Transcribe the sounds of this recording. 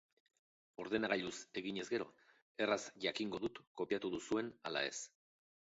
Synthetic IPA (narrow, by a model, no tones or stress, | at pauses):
o̞ɾðe̞naɣ̞aʎuse̞ɣiɲe̞zɡe̞ɾo̞̰ | e̞razʝakiŋɡo̞ðut̪ko̞piat̪uðusue̞na̰la̰e̞̰s